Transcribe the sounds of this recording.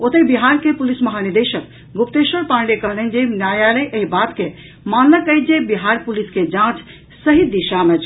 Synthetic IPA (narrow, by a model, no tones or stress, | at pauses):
ot̪əbiɦaɾkepulisməɦaniɾd̪eʃək | ɡupt̪esəɾpãɳɖekəɦlənd͡ʒenjajaləjʔəɦibat̪ke | manləkəjd͡ʒebiɦaɾpulisked͡ʒãt͡ʃ | səɦid̪iʃamet͡ʃʰ